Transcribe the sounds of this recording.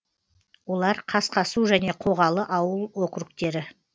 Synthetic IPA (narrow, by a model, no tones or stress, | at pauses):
wo̞lˠɑɾqʰɑsqɑsuʒæne̞qʰo̞ʁɑlˠəʔɑwəlˠwo̞kɾuk̚t̪e̞ɾɪ